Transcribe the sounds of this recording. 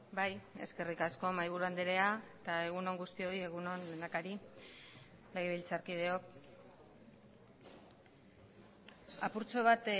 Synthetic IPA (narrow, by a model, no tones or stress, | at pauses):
baje̞ske̞rikasko̞majβuɾuand̪eɾe̞aet̪ae̞ɣuno̞ŋɡust̪io̞ie̞ɣ̞uno̞nle̞nakaɾi | lajβilt͡saɾkið̞e̞o̞k̚ | apuɾt͡so̞β̞at̪